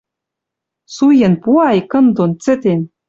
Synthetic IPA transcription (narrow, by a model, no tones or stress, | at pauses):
sujĕnpuɑjkɤ̆nd̪ont͡sɘ̆t̪en